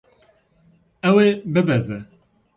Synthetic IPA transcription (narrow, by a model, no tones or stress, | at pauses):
ɛwebɨbɛzɛ